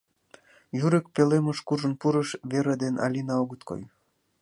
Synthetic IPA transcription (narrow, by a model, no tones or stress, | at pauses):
jyɾek̚peleməʃkuʒənpuɾəʃβeɾed̪enɑ̰lʲinɑoɣət̪ko̰j